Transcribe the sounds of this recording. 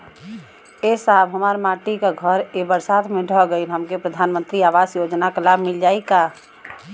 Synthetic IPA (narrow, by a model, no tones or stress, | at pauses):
esaːbɦəmaːɾmaːʈikaɡʱəɾebəɾsaːt̪ʰmẽɖʱɔɡəiɦəmkepɾəd̪ʱaːnmə̃nt̪ɾiaːʋaːzjoːd͡ʒnakalaːbmɪld͡ʒaːikaː